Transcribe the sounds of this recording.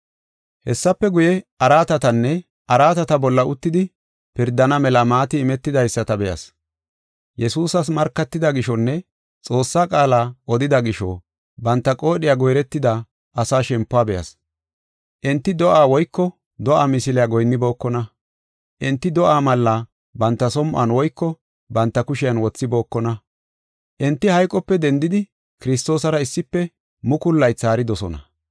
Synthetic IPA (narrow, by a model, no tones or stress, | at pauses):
hɛsːɐpːɛɡʊjɛɐɾaːt̪ɐt̪ɐnːɛ | ʔɐɾaːt̪ɐt̪ɐbɔlːɐʔʊt̪ːɪd̪ɪ | pɪɾd̪ːɐnɐmɛlɐmaːt̪ɪɪmɛt̪ːɪd̪ɐjsːɐt̪ɐbɛjɐ̰s | jɛsuːsɐs̬mɐɾkːɐt̪ːɪd̪ɐɡɪʃɔnːɛ | t͡sʼo̞ːsːaːkʼaːlaːʔɔd̪ɪd̪ɐɡɪʃɔ̰ | bɐnt̪ːɐkʼo̞ːɗɪjaːɡɔjɾɛt̪ːɪd̪ɐ | ɐsaːʃɛmpːʊaːbɛjɐ̰s | ʔɪnt̪ːɪd̪ɔʔaːwɔjkːɔ | d̪ɔʔaːmɪsɪlɛjaɡɔjnːɪbo̞ːkːɔnɐ | ʔɪnt̪ːɪd̪ɔʔaːmɐlːa | bɐnt̪ːɐsɔmʔɐ̰nwɔjkːɔ | bɐnt̪ːɐkʊʃɪjɐnwɔt͡sːɪbo̞ːkːɔnɐ | ʔɪnt̪ːɪhɐjkʼːɔpːɛd̪ɛnd̪ɪd̪ɪ | kɪɾɪs̬t̪o̞ːsɐɾɐɪsːɪpːɛ | mʊkʊlːɐjt͡sːaːɾɪd̪ɔsɔnɐ̰